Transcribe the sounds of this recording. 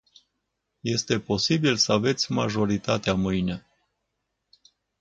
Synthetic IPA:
je̞st̪e̞po̞sibilsəave̞t̪sʲmaʒo̞ɾit̪at̪eamɨjne̞

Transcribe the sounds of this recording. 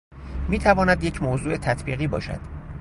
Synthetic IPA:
miːt̪ʰævɒːnæd̪jecʰmoːzuːe̞t̪ʰæt̪ʰbiːɣiːbɒ̰ːʃæ̰d̪̥

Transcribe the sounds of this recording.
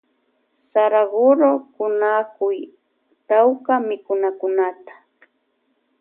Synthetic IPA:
saɾaɢʊɾokʊnakʊj | t̪awkamɪkʊnakʊnat̪ḁ

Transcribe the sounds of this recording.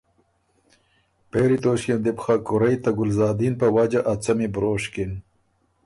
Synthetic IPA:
peːɾit̪oːɕjɐnd̪ipxakʊɾɐjt̪ɐɡʊlzɑːd̪inpawad͡ʒaʔat͡sɐmibɾoːɕkin

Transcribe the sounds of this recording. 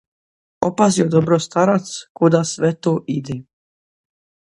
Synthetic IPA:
opaziod̪obɾost̪aɾat̪skud̪asʋɛt̪oʔid̪e

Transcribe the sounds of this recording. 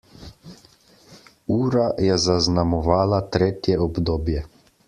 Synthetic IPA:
uːɾajɛzaznamɔʋaːlat̪ɾeːt̪jɛɔbd̪oːbjɛ

